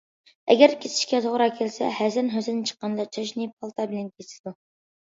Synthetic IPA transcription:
ɛ̰ɡʲæɾkʲʰesʰɪ̥ʃkʲɛzoʁɾɑkʲʰelsɛ̰hæzɪɾnɦøzɪnɪnt͡ʃʰə̥qːɑnd̪ɑt͡ʃʰɑʃnɨpʰɑlˠt̪ʰɑbɪlɛnkʲʰesɪ̥d̪u

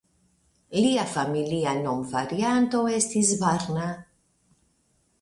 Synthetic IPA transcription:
liafamilianomvaɾjant̪oest̪izvaɾna

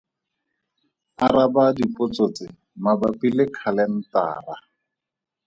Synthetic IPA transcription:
aɾabadipʼʊt͡sot͡sɪ | mabapilɪkʰalɛn̩ta̰ːra

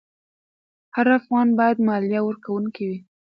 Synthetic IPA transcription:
haɾafɣɑnbɑjad̪mɑljawəɾkawunkiwi

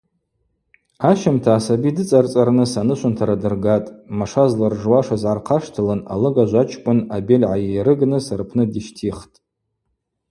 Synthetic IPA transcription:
aʃamtʰaːsabidɨt͡sʼart͡sʼaɾnɨsanɨʃʷʰʊntʰaɾadɨrɡatʼmaʂazlarʐwaʂazʕarqʰaʂtʰɨlɨna̰lɨɡaʒʷat͡ʃʰkʷʼʊnabelʲʕajejɾɨɡnɨsɨrpʰnɨdiʃtʰiχtʼ

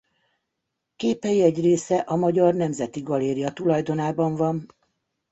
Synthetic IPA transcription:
keːpɛiɛɟreːsɛʔɒmɒɟɒrnɛmzɛt̪iɡɒleːɾijɒt̪ulɒjd̪o̞naːbɒɱvɒn

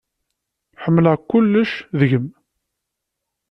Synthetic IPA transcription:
ħəmːləʁkːʊlːəʃðəʝəm

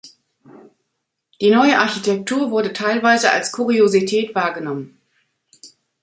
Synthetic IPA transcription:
d̥iːnɔʏəʔaɐçitʰɛk̚tʰuːɐvʊɐdətʰaɪlvaɪzəa̰lskʰuʁiozitʰɛːtv̥aːɐɡənɔmən

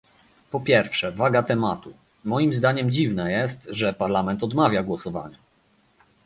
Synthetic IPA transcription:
pɔpʲjɛɾfʂɛvaɡat̪ɛmat̪u | mɔjimzd̪aɲɛmd͡ʑivnɛjɛst̪ʐɛpaɾlamɛnt̪ɔd̪mavʲjaɡwɔsɔva̰ɲa

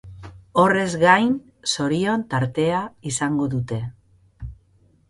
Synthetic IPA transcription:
o̞re̞zɣajn | so̞ɾio̞nt̪aɾt̪e̞aisaŋɡo̞ðut̪e̞

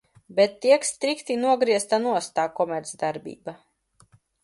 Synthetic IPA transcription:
bɛt̪ːiɛkst̪ɾikt̪inuɔɡɾiɛst̪anuɔst̪aːkɔmʲɛɾt̪sd̪aɾbʲḭːba

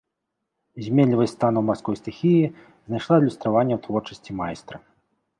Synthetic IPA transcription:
zʲmʲelʲivɐst̪anuwmarskɔjst̪ɨxʲiji | znajʂlˠalʲust̪ɾavanʲːɐwt̪vɔrt͡ʂɐsʲt͡sʲimajst̪ɾɐ

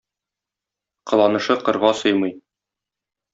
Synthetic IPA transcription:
qɤ̆lˠɑnɤ̆ʃɤqɤ̆ɾʁɑsɤjmɤj

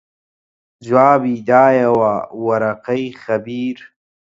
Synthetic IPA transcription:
zwaːbid̪aːjawaːwɐɾɐqajxɐbiːɾ

